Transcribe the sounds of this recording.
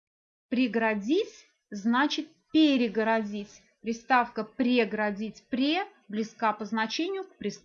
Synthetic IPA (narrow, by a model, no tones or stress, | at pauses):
pɾʲɪɡɾɐdʲit͡sʲ | znat͡ɕɪt̪̚pʲɪɾʲɪɡəɾɐdʲitʲ | pɾʲɪst̪afkəpɾʲɪɡɾɐdʲit͡sʲpɾʲe | blʲɪskapəznɐt͡ɕenʲɪjʊkpɾʲɪst̪